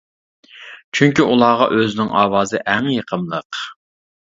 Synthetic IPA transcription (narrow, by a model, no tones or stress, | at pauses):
t͡ʃʰyŋkʲiʔulˠɑːʁɑʔøzɪnɪŋʔɑːwɑːzɨʔæŋjəqʰəmlˠəq